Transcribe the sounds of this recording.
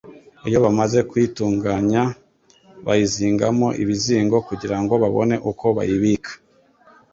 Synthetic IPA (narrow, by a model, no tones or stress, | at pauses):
ijo̞βamaze̞kwituːŋɡaɲa | βa̰jiziːŋɡamo̞ʔiβiziːŋɡo̞kuɟiɾaŋɡo̞βaβo̞̰ne̞ʔuko̞βa̰jiβikʰḁ